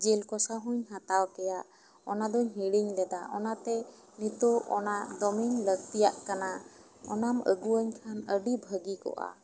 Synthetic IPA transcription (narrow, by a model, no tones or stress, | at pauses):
d͡ʒɛlkɔsaɦuɲɦat̪awkɛjaʔ | ɔnad̪ɔɲɦiɽiɲlɛd̪aʔɔnat̪ɛ | nit̪ɔwɔ̰naʔd̪ɔmiɲləɡ̚t̪ijaʔkana | ɔnamə̰ɡuəɲkʰanəɖibʱəɡikɔ̰ʔa̰